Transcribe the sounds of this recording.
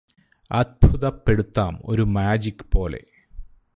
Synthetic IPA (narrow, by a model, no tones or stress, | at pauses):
ɐd̪̚bʱuðɐpːe̞ɽut̪ːaːmo̞̰ɾumaːd͡ʑikʲːɨ̥po̞ːle̞̰